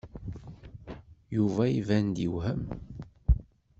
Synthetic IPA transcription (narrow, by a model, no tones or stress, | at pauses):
juvæivænd̪iwhəm